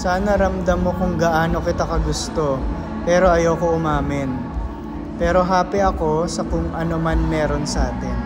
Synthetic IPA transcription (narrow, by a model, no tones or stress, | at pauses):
saːnɐɾɐmd̪ɐmːokʊŋɡɐʔaːno̞kɪt̪akɐɡʊst̪o̞ | pɛːɾo̞ʔɐjowkoʊmaːmɪn | pɛːɾo̞ɦaːpɪʔɐko̞sɐkʊŋʔɐnomɐnmɛːɾo̞nsɐʔaːt̪ɪn